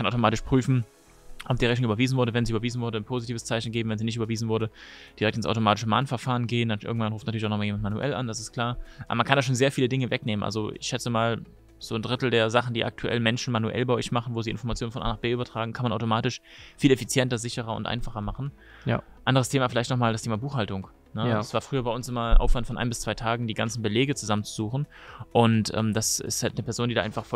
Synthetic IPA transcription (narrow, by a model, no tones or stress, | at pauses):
kʰanʔaʊt̬omaːtɪʃpʁ̥yːfn̩ | ʔɔp̚d̥iːʁɛtnʊŋʔyːbɐviːzn̩vʊɐdəvɛnziːʔyːbɐviːzn̩vʊɐdənpʰoːzitʰiːvəst͡saɪçn̩ɡeːbm̩vɛnziːnɪçtʔyːbɐviːzn̩vʊɐɾəd̥iʁɛk̚tɪnsʔa̰ʊtomaːtɪ̥ʃəma̰ːnfɛɐfaːʁənɡeːəndanʔɪ̰ɐɡŋ̩tvanʁuːftnatʰyɐɪçʔanɔmaljeːmantmanuʔɛ̰la̰nd̥asɪstkl̥aːɐʔa̰bɐmankʰandaːʃ̬oːnzeːɐfiːlədɪŋəvɛkneːmənʔa̰lzoʔɪ̰çʃɛt͡səmaːl | z̥oːndʁɪtl̩deːɐzaχn̩diːʔa̰k̚tʰuʔɛ̰lmɛnʃn̩manuʔɛ̰lbaɪʔɔ̰çmaχn̩voːziːɪ̰nfɔɐmat͡sjoːnfɔnʔa̰ːnaχb̥eːʔyːbɐtʁ̥aːɡŋ̩kʰanmanʔaʊtomaːtɪʃfiːlɛfit͡sjɛntɐzɪçəʁɐʊ̰ntʔa̰ɪnfaχɐmaχn̩ | ʔa̰ndəʁəstʰeːmaːfɪlaɪçtnɔχmaːldastʰeːmabuːχhaltʊŋ | nəasv̥aːɐfʁ̥yːɐbaɪʔʊnsʔɪmaʔa̰ʊfv̥antfɔnʔaɪnbɪst͡sv̥aɪtʰaːɡŋ̩diːɡant͡sn̩bəleːɡət͡suzamənt͡suzuːχn̩ | ʔʊntʔɛ̰ːmd̥asɪ̰sthaltnəpʰɛɐzoːndiːdaːʔaɪnfaχf